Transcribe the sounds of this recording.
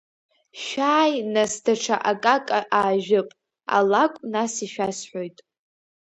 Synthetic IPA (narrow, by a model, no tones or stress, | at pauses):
ʃᶣaːjnasdʰaʈ͡ʂʰaʔakʼakʼaʔaːʒᶣɪpʼ | a̰lakʷʼnasiʃᶣasħʷo̞jtʼ